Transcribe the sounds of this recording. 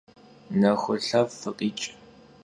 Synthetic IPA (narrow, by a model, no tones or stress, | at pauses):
nɐxʷʊɬɐvːɨqʼiːt͡ʃʼ